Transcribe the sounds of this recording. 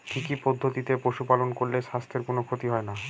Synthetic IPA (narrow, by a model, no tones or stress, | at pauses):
kikipɔd̪ʱːot̪it̪epoʃupalonkoɾleʃast̪ʰeɾkonokʰot̪iɦɔena